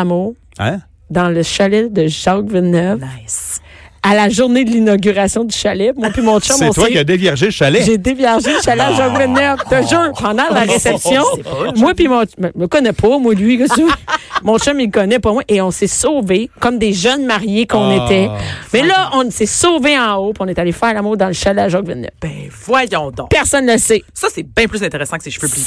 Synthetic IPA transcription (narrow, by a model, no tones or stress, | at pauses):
muːʁ | d̪ɑ̃ləʃalɛd̪əʒɑɡvɛœv | alaʒuʁned̪əlinɔɡʲyʁasjɔ̃d̪yʃalɛpmwapimɔ̃ʃɛsɛ̃t̪wakad̪evjɛʁʒeləʃalɛʒed̪evjɛʁʒeləʃalɛʒɑɡvɛnːœvt̪aʒəpɑ̃d̪ɑ̃laʁesɛpsjɔ̃mwapimɔ̃mɛəkɔnɛpʰɔmwalɥiʒəɛmɔ̃ʃɛ̃milkɔnɛpɔmwaʔeɔ̃sɛsoːvekɔmd̪eʒœnmaʁjekɔ̃net̪ɛmɛlʌʔɔ̃nsɛsoːveɑ̃opiɔ̃nɛt̪alefɛːʁlamuːʁd̪ɑ̃ləʃalɛʒɔɡvɛnːɛ̰fbɛ̃vwajɔ̃d̪ɔ̰̃pɛʁsɔnləsɛsʌsɛbɛ̃plyzɛ̃t̪eʁesɑ̃kə̥seʃføply